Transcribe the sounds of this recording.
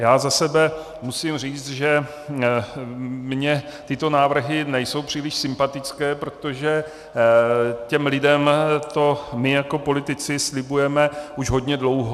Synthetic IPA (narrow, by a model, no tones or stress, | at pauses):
jaːzasɛbɛ | musimr̝iːt͡st̪ʒɛ | mɲɛt̪ɪt̪o̞naːvr̩ɦɪnɛjso̞wpr̝̥iːlɪʃsɪmpat̪ɪt͡skɛːpɾo̞t̪o̞ʒɛ | cɛmlɪdɛmt̪o̞mɪjako̞po̞lɪt̪ɪt͡sɪslɪbujɛmɛʔuʒɦo̞dɲɛdlo̞wɦo